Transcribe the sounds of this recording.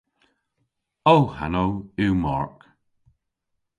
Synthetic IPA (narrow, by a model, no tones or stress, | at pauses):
owha̰nowimɔ̰ɹk